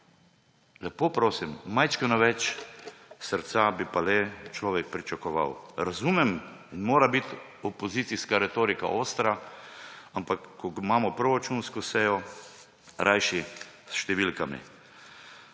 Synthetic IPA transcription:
lɛpoːpɾoːsimːajt͡ʃkɛnɔʋɛt͡ʃ | səɾt̪sabipalɛt͡ʃlɔːʋɛk̚pɾit͡ʃakɔʋa̰wɾazumɛmnmoːɾabit̪ | ɔpɔzit̪siskaɾɛt̪oːɾika̰ʔoːst̪ɾa | ampakːɔmaːmɔpɾɔɾat͡ʃunskɔsɛːjɔ | ɾʔajʃisʃt̪ɛʋilkamḭ

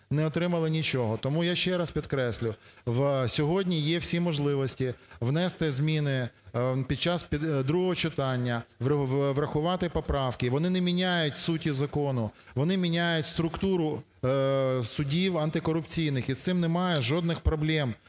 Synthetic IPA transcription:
nɛɔt̪ɾɪmɐlˠɪnʲit͡ʃɔɦɔt̪ɔmujaʃt͡ʃɛɾɑspʲid̪kɾɛsʲlʲʊʋsʲɔɦɔdʲnʲijɛwsʲimɔʒlˠɪʋɔsʲtʲiʋnɛst̪ɪzmʲinɪpʲid̪̚t͡ʃɑspʲid̪ɾuɦɔɔt͡ʃɪt̪ɑnʲːɐʋʋɾɐxʊʋɑt̪ɪpɔpɾɑwkɪʋɔnɪnɛmʲinʲajʊtʲsutʲizɐkɔnʊ | ʋɔnɪmʲinʲajʊtʲst̪ɾʊkt̪uɾʊ | sʊdʲiwɐnt̪ɪkɔɾʊpt͡sʲijnɪxit̪sɪmnɛmɑjɛʒɔd̪̚nɪxpɾɔblʲɛm

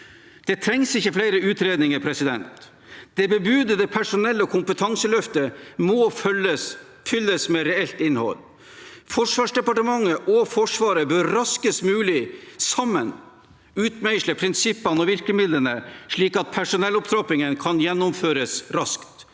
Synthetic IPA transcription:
d̪̥ɛt̪ʰɾɛŋsɪçːəflæɪɾəʉːt̪ɾeːd̪nɪŋəɾpʰɾɛsɪd̪ɛnt̪ | d̪̥ɛbəbʉːd̪əd̪ɛpʰæʂʊnɛlːəkʰʊmpət̪ʰɑŋsəlœft̪əmoə | fʏlːəsmɛɾɛɛlt̪ɪnhɔ̰l | fɔʂʋɑːʂd̪ɛpɑʈəmɑŋːəʔɔfɔʂʋɑːɾəbœɾɾɑskəsmʉːlɪsɑmːən | ʉːt̪mæɪʃləpʰɾɪnsɪpːənɔʋɪɾkləmɪd̪lənəʂɭiːkɑt̪̚pʰæʂʊnɛlːɔpt̪ʰɾɔpɪŋənkʰɑnjɛnːʊmføːɾəsɾɑskt̪

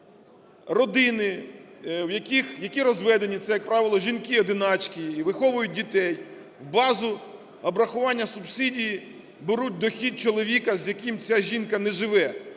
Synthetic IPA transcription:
rɔd̪ɪnɪ | wjɐkʲixjɐkʲiɾɔzʋɛd̪enʲit̪sɛjɐk̚pɾɑʋɪlˠɔʒʲinkɪɔd̪ɪnɑt͡ʃkʲiːʋɪxɔʋʊjʊt̚ʲdʲit̪ɛj | wbɑzʊ | ɐbɾɐxʊʋɑnʲːɐsʊbsʲidʲiji | beɾut̚ʲd̪ɔxʲid̪̚t͡ʃɔlˠɔʋʲikɐzʲjɐkimt͡sʲaʒʲinkɐnɛʒɪʋɛ

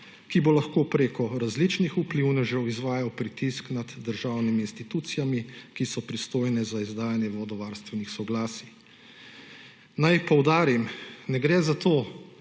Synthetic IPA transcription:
kibolaxkoːpɾeːkɔɾazlit͡ʃnixupliwnɛʒɛwizʋaːjawpɾit̪isknad̪ːəɾʒawnimiːnst̪it̪uːt̪sijamikisɔpɾist̪oːjnɛzaizd̪aːjanjɛʋɔd̪ɔʋaːɾst̪ʋɛnixsɔɡlaːsi | najpɔwd̪aːɾimnɛɡɾɛzat̪oː

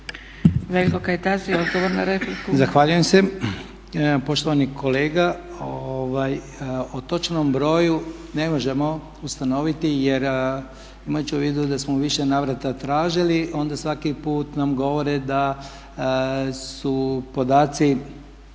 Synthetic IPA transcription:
ʋelikokajt̪azijod̪ɡoʋoɾnaɾefoɾkuzaxʋaʎuje̞mse | po̞ʃt̪oʋanikʰo̞le̞ːɡaoʋaj | ot̪o̞t͡ʃno̞mbɾo̞ːju | ne̞mo̞ʒe̞mo̞ | ust̪ano̞ʋit̪ije̞ɾ | imajut͡ɕuʋiːd̪ud̪asmoʋiʃenaːʋɾat̪at̪ɾaːʒilio̞nd̪asʋakipuːt̪namɡo̞ʋo̞ɾed̪a | supo̞d̪aːt̪si

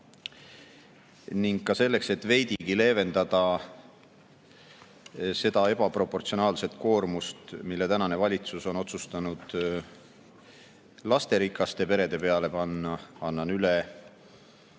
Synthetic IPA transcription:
niŋɡːɑse̞lːe̞kse̞t̪ːˑve̞jd̪iɡile̞ːve̞nd̪̥ɑd̪̥ɑ | se̞d̪ɑe̞b̥ɑpro̞pːo̞rt̪sio̞nɑːlse̞t̪ˑko̞ːrmust̪milːe̞t̪ænɑne̞vɑlʲit̪suso̞no̞t̪sust̪ɑnud̪̥ | lɑst̪e̞ɾikːˑɑst̪e̞pe̞ɾe̞d̪e̞pe̞ɑle̞pɑnːɑɑnːɑnyle

